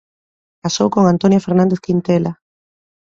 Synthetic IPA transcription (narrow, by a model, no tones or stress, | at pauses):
kasowkoŋant̪onjafeɾnãnd̪eθkint̪ela